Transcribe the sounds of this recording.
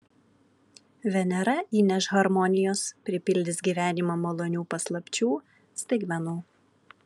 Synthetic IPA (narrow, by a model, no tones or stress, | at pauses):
ʋʲɛnʲɛɾɐʔiːnʲɛʃɣɐɾmɔnʲɪjoːspʲɾʲɪpʲɪlʲd̪ʲɪsɡʲiːʋʲæːnʲimɐmolˠonʲuːpɐslˠɐpʲt͡ʃʲuː | sʲt̪ʲɛɪkmʲɛnuː